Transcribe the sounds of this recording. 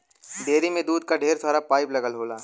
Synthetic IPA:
d̪eːɾimẽd̪uːd̪̚kaɖʱeːɾsʰaːɾapaːɪplɐɡəlɦoːlaː

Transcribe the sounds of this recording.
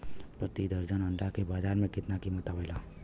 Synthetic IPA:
pɾɐt̪id̪əɾd͡ʒənɐ̃ɳɖakebaːd͡ʒaːɾmẽkɪt̪nakimɐt̪aːʋela

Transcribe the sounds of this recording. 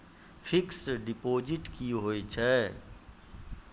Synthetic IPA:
pʰɪksɖɪpoːd͡ʒɪʈkiɦoit͡ʃʰɛː

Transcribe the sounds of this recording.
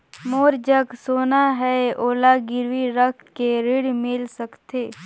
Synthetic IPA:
moːɾd͡ʒəksoːnaɦɛoːlaɡɪɾʋiɾəkʰkeɾɪɽmɪlsəkt̪eː

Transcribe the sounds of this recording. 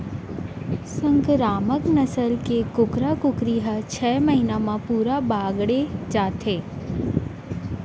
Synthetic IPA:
səŋkɾaməknəsəlkekʊkɾakʊkɾiɦət͡ʃʰɛməɦinamãpuɾabaɡɽed͡ʒat̪ʰe

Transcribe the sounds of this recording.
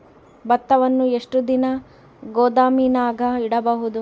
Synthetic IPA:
bɐt̪ːɐʋɐnːue̞ʂʈud̪inɐ | ɡoːd̪aːminaːɡʱɐiɽɐbɐɦud̪u

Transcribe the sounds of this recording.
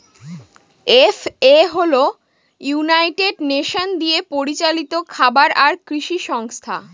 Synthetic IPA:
efeɦolo | junajʈeɖneʃond̪iepoɾit͡ɕalit̪okʰabaɾaɾkɾiʃiʃɔŋst̪ʰa̰

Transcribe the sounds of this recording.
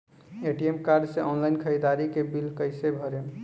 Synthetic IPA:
eʈiemkaɾɖseʔɔnlaɪnkʰəid̪aɾikebilkəjsebʱəɾe

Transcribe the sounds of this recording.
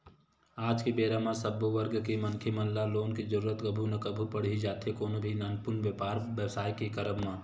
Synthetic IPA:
aːd͡ʒkibeːɾamãsɐboʋəɾɡkimɐnkʰemɐnlaloːnkid͡ʒɐɾuːɾət̪kɐbʱunɐkɐbʱupɐɽ̤id͡ʒaːt̪ekoːnobʱinanpʊɾnʋjəpaːɾʋjəwsaːjkikɐɾəbmãː

